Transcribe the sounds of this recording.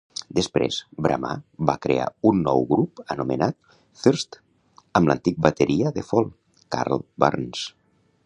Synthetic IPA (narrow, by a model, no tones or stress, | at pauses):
d̪əspɾḛz̥bɾa̰ma̰bakɾea̰unːɔwɣɾupənumənat̪̚ | θəɾst̪ | əmlənt̪ik̚bət̪əɾʔiəðəfɔlˠ | ka̰ɾlˠba̰ɾns